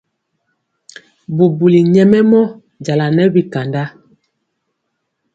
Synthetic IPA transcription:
bu˨bu˨li˨ɲɛ˦mɛ˦mɔ˦ | d͡ʒa˨la˨nɛ˦bi˨ka˨nda˦

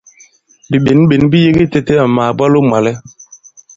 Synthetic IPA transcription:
bi˨ɓe˨nɓe˨nbi˦je˦ɡi˦tɛ˦tɛ˦a˨maː˨ba˦lo˦ma˨lɛ˦

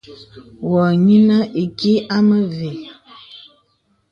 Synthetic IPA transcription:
wɔ˨ɲi˦nə˦ʔi˨ki˦a˦mə˦ve˨

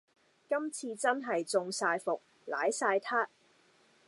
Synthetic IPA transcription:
kɐ˥mt͡sʰiː˧t͡sɐ˥nɦɐ˨jt͡sʊ˨˧ŋsaː˧jfʊ˨k̚ | la̰ː˨˥jsaː˧jt̪ʰaː˥t̚

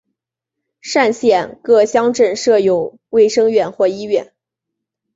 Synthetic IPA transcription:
ʂa˥˧nɕjɛ˥˧nkɤ˥˩ɕjɑ˥ŋʈ͡ʂə˥˧nʂɤ˥˧jo˥˩ʊ | we˥˩ɪʂɤ˥ŋɥɛ˥˩nxwɔ˥˩i˥ɥɛ˥˩n

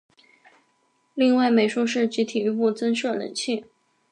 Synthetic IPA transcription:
li˥˧ŋwa˥˩ɪme˨˩ɪʂu˥ʂɻ̩˥˩t͡ɕi˧˥t̪ʰi˨˩y˧˥pu˥˩t͡sə˥nʂɤ˥˩lə̰˧˩˦nɕʰi˥˩

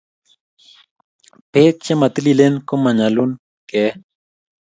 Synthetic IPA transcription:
pe˦k̚t͡ʃɛ˦ma˨t̪i˦li˦le˦nko˦ma˨ɲa˨lu˦n | kɛ˨

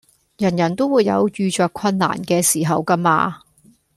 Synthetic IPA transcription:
jɐ˨˩njɐ˨˩nt̪o˥wuː˨˧jːɐ̰˨˧wjyː˨˧t͡ʃœː˨kʰwɐ˧nːa̰ː˨˩nkɛː˧siː˨˩ɦɐ˨wkɐ˥ma̰ː˧

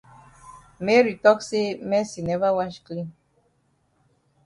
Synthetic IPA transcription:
mɛ˦ɾi˨tɔ˦kse˦mɛ˦si˨nɛ˦va˦wa˦ʃkli˦n

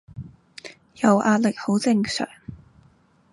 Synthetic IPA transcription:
jɐ˨wʔaː˧t̚lɪ˨k̚ho˨˥wt͡sɪ˧ŋsœ̰ː˨˩ŋ

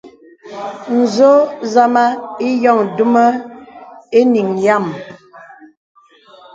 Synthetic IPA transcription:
n̩˨zo˦za˦ma˦i˦jɔ˦˨ŋdu˦mə˦ | e˦ni˨ŋja˦˨m

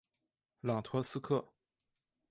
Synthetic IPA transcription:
lɑ˨˩ŋt̪ʰwɤ˧˥sɹ̩˥kʰɤ˥˩

